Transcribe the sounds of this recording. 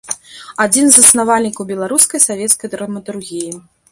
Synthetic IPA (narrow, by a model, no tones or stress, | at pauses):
ad͡zʲinzɐsnavalʲnʲikɐwbʲɛlˠaɾuskɐjsavʲɛt̪skɐjd̪ɾɐmɐt̪urɣʲiji